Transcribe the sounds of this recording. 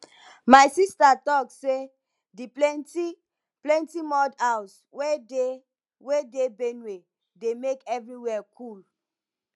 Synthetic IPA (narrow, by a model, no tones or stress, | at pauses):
majsistatɔkse | diplɛnti | plɛ̃ntimɔdaws | wede | wedebenwe | demekɛvɹiwɛkʰul